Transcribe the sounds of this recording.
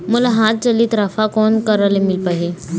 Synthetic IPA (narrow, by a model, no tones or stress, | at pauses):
məlaɦãt̪̚t͡səliːt̪ɾafakɔnkəɾalemilpaɦe